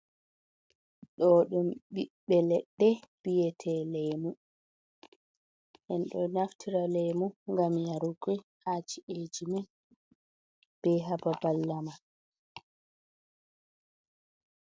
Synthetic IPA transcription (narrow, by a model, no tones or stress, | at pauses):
ɗɔɗumɓiɓːɛlɛɗːɛb̥ijɛtʰɛlɛjmu | ʔɛnɗɔnaftʰiɾalɛjmuŋɡamjaɾuɡihat͡ʃiʔed͡ʒima | b̥ɛɦababalːama